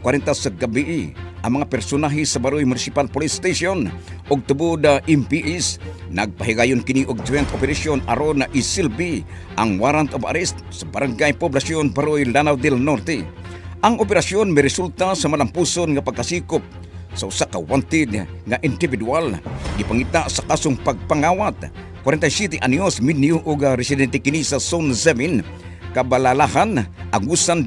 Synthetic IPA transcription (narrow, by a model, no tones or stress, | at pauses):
kwaɾɛnt̪asaɡabiʔiʔaŋmaŋapɛɾsʊnaɦisabaɾujmunisipalpolist̪esonʔoɡ̚t̪ubud̪aʔɛmpiʔɛsnaɡ̚paɦiɡajʊnkɪniʔʊɡ̚t̪wɛnt̪opɛɾasjona̰ɾonaʔisilbi | ʔaŋwaɾant̪oba̰ɾɛst̪̚sabaɾaŋɡajpoblasjonbaɾujlanawd̪ɛlnort̪ɛ | ʔaŋopɛɾasjonmɛɾɛsult̪asamalampusonŋapaɡ̚kasikʊp̚ | sausakawant̪ɪd̪ŋaʔind̪ibid̪ualɡipaŋit̪asakasʊŋpaɡ̚paŋawat̪̚ | kwaɾɛnt̪ajsɛt̪̬ɛʔanjosminiuʔuɡaɾɛsɪd̪ɛnt̪ɛkɪnisasonsɛmin | kabalalahanʔaŋusan